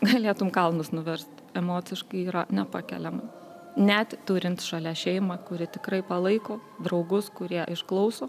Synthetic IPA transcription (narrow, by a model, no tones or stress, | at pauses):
ɡɐlʲeːt̪ʊmkɐlˠnʊsnʊʋʲɛɾʲst̪ʲɛmoːt͡s̪ʲɪʃkɐɪiːɾɐnʲɛpɑːkʲɛ̰lʲɛmɐ | nʲæt̪t̪uːɾʲɪnt̪ʃɐlʲɛæʃʲɛɪmɑkʊɾʲɪt̪ʲɪkɾɐɪpɐlˠɐɪkoːd̪ɾɐʊɡʊskʊɾʲiɛʔɪʃklˠɐʊsoː